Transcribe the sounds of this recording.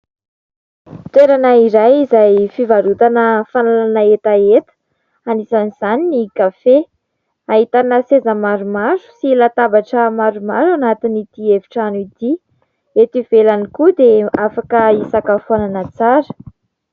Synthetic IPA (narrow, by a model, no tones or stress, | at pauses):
t̪eɾanaiɾajizajfivaɾut̪anəfanalanaet̪aet̪ə̥ | anisaniz̥aninikafe | aɦit̪anəsezəmaɾumaɾu̥silat̪abaʈ͡ʂəmaɾumaɾuanat̪init̪ieviʈ͡ʂanuit̪i | et̪ivelanikud̪eafakəisakafuananət͡saɾə̥